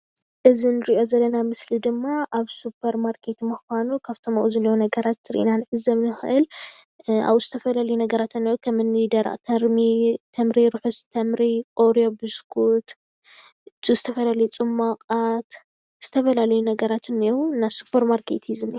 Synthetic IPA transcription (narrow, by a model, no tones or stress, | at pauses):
ʔɨzinɨɾiʔo̞zɐlːɐnamɨslid̪ɨmːaʔaβsupʰɐɾmaɾkʰet̪mɨxʷanukʰaβt̪ʰomɐʔʼuzɨlːonɐɡɐɾat̪ːɨɾḭʔḭnanʔɨzɐmnɨxɨʔɨl | a̰βɨzɨt̪ʰɐfɐlalɐjunɐɡɐɾat̪ʰɨniukʰɐmɨnɨd̪ɐɾa̰ʔʼt̪ʰɐɾmit̪ʰɐmɾiɾuħust̪ʰɐmɾikʼoɾijobɨskʰut̪ | tuzɨt̪ʰɐfɐlalɐjut͡sʼɨmːaqʼat̪ | z̥ɨt̪ʰɐfɐlalɐjunɐɡɐɾat̪ʰɨnːiɾunːasupʰːɐɾmaɾkʰet̪ʰjizɨni